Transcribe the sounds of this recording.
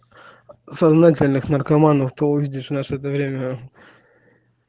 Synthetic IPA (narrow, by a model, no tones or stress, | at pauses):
sɐznat̬ʲɪlʲnɨxnərkɐmanəft̪oʊvʲidʲɪʂvnaʂəɛt̪̬əvɾʲemʲə